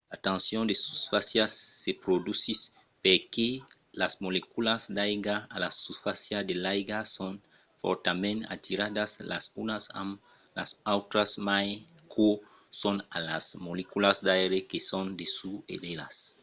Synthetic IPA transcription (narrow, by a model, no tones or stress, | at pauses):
lat̪ãnsjõnd̪esu̥sfasjasːepɾod̪usis | peɾke | lasmolekulasd̪ajɡaːlasusfasjad̪elajɡasõn | fo̰ɾt̪amẽna̰t̪iɾad̪asla̰sunasa̰m | la̰sawt̪ɾasmaj | kʰo | sõnalasmolekulasd̪ajɾekesõnd̪esuḛd̪ela̰s